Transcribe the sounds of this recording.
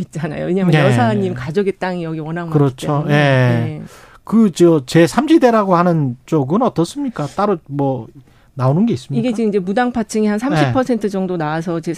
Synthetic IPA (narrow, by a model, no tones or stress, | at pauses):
it̚t͡ɕ͈ana̰jo̰e̞ɲamjʌjʌsʰaɲːimkad͡ʑʌɡet͈aŋijʌɡiwʌnɦamɯɾʌt͡ɕ͈ʰoje̞ | kɯt͡ɕʌt͡ɕe̞sʰamɕʰide̞ɾaɡohanɯnt͡ɕ͈oɡɯnʌt͈ʌs͈ɯmɲik͈at͈aɾomwʌ | naonɯnɡe̞is͈ɯmɲiɡeiiɲd͡ʑemudaŋpʰat͡ɕʰɯŋihansʰamɕʰipʰʌsʰe̞ntʰɯd͡ʑʌŋdonaas̬ʰʌt͡ɕe̞